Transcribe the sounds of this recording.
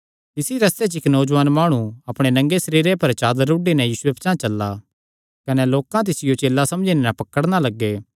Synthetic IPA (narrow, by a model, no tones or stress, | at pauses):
t̪ɪsiɾɐst̪et͡ʃɪknoːd͡ʒʋaːnmaːɽ̃ũɐpɽ̃enɐ̃ŋɡesɐɾiːɾepɐɾt͡ʃaːd̪əɾːuːɖenɛ̃jiːsʊepʰt͡ʃãt͡ʃɐlːa | kɐneloːkãt̪̬ɪsɪjot͡ʃeːlːasɐ̃md͡ʒinɛnɛ̃pɐkəɽnalɐɡːeː